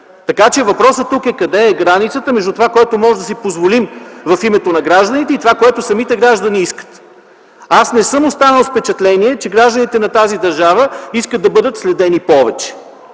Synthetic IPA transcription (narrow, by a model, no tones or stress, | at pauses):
t̪ɐkat͡ʃɛvɐpɾɔsət̪ːukɛkɐd̪ɛːɡɾanit̪sət̪əmɛʒd̪ut̪ovakoɛt̪omɔʒɛd̪ɐsipozvolimvɐfimɛt̪onɐɡɾaʒd̪ɐnit̪ɛit̪ovakoɛt̪osɐmit̪ɛɡɾaʒd̪əniiskə̥t̪ | asnɛsɤmost̪anəlˠfpɛt͡ʃɛt̪lɛniɛt͡ʃɛɡɾaʒd̪ənit̪ɛnɐt̪azid̪ɐɾʒavəiskət̪d̪ɐbɤd̪ət̪slɛd̪ɛnipɔvɛt͡ʃɛ̥